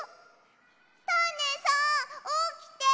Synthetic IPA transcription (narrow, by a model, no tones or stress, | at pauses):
st̪ʰanesʌokit̪e